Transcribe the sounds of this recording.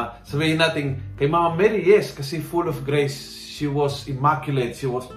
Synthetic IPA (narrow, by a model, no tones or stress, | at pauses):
savejinat̪iŋkajmamamɛɾieskasifulɔfɡɾejs | ʃiwɔzimakjuletʃiwɔs